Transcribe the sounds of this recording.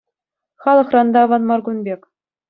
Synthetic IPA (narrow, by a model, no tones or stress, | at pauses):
χɑlˠɤ̆χrɑnd̪ɑʋɑnmɑrɡunbʲekʲ